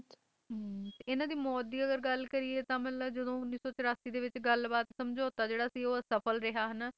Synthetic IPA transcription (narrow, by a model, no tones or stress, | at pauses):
t̪eɪnãːd̪iːmɔːt̪̚d̪iːəɡəɾɡəlkəɾiːeːt̪ãːmɛ̃ːləd͡ʒəd̪õːʊnːiːsɔːt͡ʃəɾaːsiːd̪eːʋɪt͡ʃɡəlbaːt̪səmd͡ʒoːt̪aːd͡ʒeːɽaːsiːoːsəpʰəlɾɪɦaːɦənː